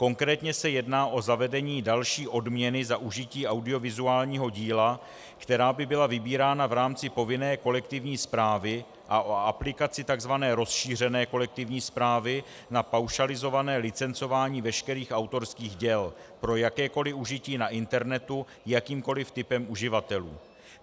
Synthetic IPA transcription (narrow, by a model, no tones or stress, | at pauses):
ko̞ŋkɾɛːt̪ɲɛsɛjɛdnaːʔo̞zavɛdɛɲiːdalʃiːʔo̞dmɲɛnɪzaʔuʒɪciːʔawdɪo̞vɪzuaːlɲiːɦo̞ɟiːla | kt̪ɛɾaːbɪbɪlavɪbiːɾaːnavɾaːmt͡sɪpo̞vɪnɛːko̞lɛkt̪ɪvɲiːspɾaːvɪ | ʔaʔoaplɪkat͡sɪt̪aɡzvanɛːɾo̞sʃiːr̝ɛnɛːko̞lɛk̚t̪ɪvɲiːspɾaːvɪ | napawʃalɪzo̞vanɛːlɪt͡sɛnt͡so̞vaːɲiːvɛʃkɛɾiːxʔawt̪o̞ɾskiːɣɟɛlpɾo̞jakɛːko̞lɪuʒɪciːnaʔɪnt̪ɛɾnɛt̪u | jakiːmko̞lɪft̪ɪpɛmuʒɪvat̪ɛlṵː